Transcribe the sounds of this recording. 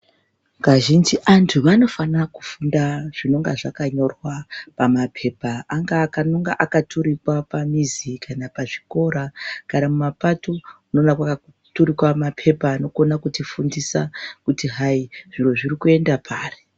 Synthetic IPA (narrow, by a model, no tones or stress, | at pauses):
ŋɡaʒind͡ʒiʔantʰuʋano̞fanaku̥fundaʐ̥ino̞ŋɡaʐakaɲo̞rwapamapʰe̞ːpaaŋɡaːkanoŋɡa̰ʔakatʰuɾikwapamizikʰanapaʐiko̞ɾakanamumapatouno̞nakwakau | tuɾikwamapʰe̞paːno̞konakutifundisakutiɦaiʐ̥iro̞ʐirikue̞ndapʰaːre